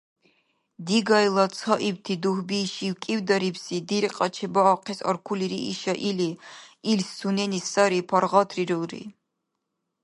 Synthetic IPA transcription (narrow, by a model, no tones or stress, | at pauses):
d̪iɡajlˠat̪sʰɔʔiwt̪ʰid̪uhbiːʃiwkʼiwd̪aɾipsid̪iɾqʼɑt͡ʃʰɛbaːqʰɛsɔ̰ɾkʰuliɾḭːʃaʔiliilsːunɛnisːaɾipʰaɾʁɑt̪ʰriɾuɾḭ